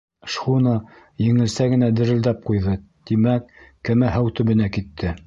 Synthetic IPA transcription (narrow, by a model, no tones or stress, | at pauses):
ʃχunɑ | jɘ̆ŋɘ̆lsæɡɘ̆næd̪ɘ̆ɾɘ̆ld̪æp̚qujðɤ | t̪imækː | ɘmæɦæwt̪ɵ̆βɘ̆nækit̪ʰːɘ